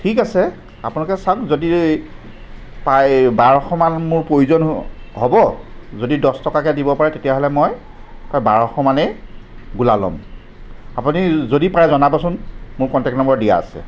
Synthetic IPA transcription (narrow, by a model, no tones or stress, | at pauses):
tʰik̬asɛ | a̰punalkɛsakzodi | pajbaɹɔxɔmanmʊɹpɹojuzɔnɦɔbɔzodidɔstɔkakɛdibɔpaɹɛtetijaɦɔlɛmɔj | pajbaɹɔxɔmanɛɡulalɔ̰m | apunizodipɹajɛzɔnabɔsʊnmʊɹkɔntɛk̚tnɔmbɔɹdija̰a̰sɛ̰